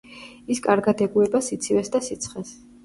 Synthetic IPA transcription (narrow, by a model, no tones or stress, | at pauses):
iskʼaɾɡad̪ɛɡuɛbasit̪sʰivɛsd̪asit̪sʰχɛs